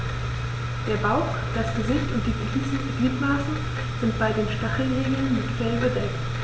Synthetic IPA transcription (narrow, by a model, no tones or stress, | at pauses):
d̥eːɐbaʊx | d̥asɡ̥əzɪçtʊnt̚d̥iːɡiːs̩ɡliːtmaːsə | z̥ɪnt̚b̥aɪdeːnʃtaχl̩ʁeːɡl̩nmɪtfɛlbədɛk̚t